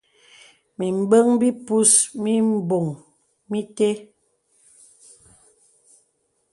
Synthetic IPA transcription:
mi˨m̩˨bə˦ŋbi˦pu˦smi˦m̩˦˨bo˨ŋ | mi˦te˦

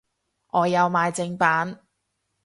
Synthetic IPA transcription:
ʔɔː˨˧jɐ˨˧wmaː˨˧jt͡sɪ˧ŋpaː˨˥n

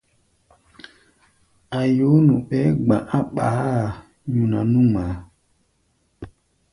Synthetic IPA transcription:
a˨jo˨˦nũ˨ɓɛ˨˦ɡ͡bã̰˨ʔa˦ɓa˨˦˨ | ju˨na˨nũ˦ma˨˦

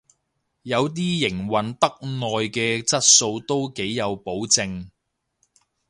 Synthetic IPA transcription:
jɐ˨˧wt̪̬iː˥jɪ˨˩ŋwɐ˨nt̪ɐ˥k̚nɔː˨jkɛː˧t͡sɐ˥t̚so˧wt̪o˥wke˨˥jːɐ˨˧wpo˨˥wt͡sɪ˧ŋ

